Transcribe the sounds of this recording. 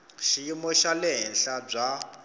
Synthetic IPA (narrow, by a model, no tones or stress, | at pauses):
ʃiimɔʃalɛɦɛnɬab͡ʐa